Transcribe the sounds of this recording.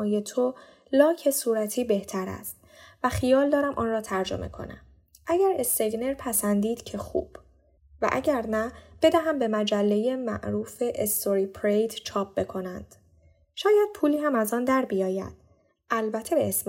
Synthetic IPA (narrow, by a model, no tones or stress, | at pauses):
je̞t̪ʰo | lɒːcʰe̞suːɾæt̪ʰiːbe̞ht̪ʰæɾæ̰st̪ | væxijɒːld̪ɒːɾæmʔɒ̰ːnrɒːt̪ʰæɾd͡ʒo̞̰mʔe̞̰kʰo̰næ̰m | ʔæɟæɾe̞st̪eɡne̞ɾpʰæsænd̪iːd̪̥cʰe̞xṵːb̥ | væ̰ʔæ̰ɟæɾnæb̥e̞d̪æɦæmbe̞mæd͡ʒælːe̞je̞mæ̰ʔɾuːfe̞ʔest̪o̞ɾiːpʰɾejd̪t͡ʃʰɒːp̚b̥e̞kʰo̞nænd̪̥ | ʃɒːjæd̪̥̚pʰuːliːhæmæzɒːnd̪æɾbijɒːjæ̰d̪̥̚ | ʔælbæt̪ʰːebeːs